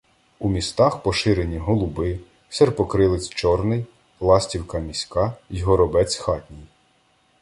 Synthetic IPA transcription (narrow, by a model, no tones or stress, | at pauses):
umʲist̪ɑxpɔʃɪɾenʲiɦɔlˠʊbɪ | serpɔkɾɪlˠet͡sʲt͡ʃɔrnɪj | lˠɑsʲtʲiwkɐmʲisʲkɑjɦɔɾɔbɛt͡sʲxɑtʲnʲij